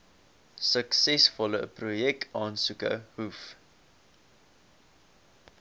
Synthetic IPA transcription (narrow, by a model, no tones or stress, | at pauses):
səksɛsfɔləprujɛk̚tʰɑːnsukə̰huf